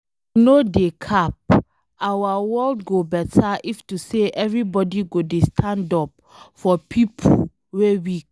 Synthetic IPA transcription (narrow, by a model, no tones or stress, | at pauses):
nodekʰap̚ | awawɔldɡobɛtʰaʔiftuseʔɛvɹibɔdiɡodestʰãndɔp̚ | fɔpʰipʰo | wewi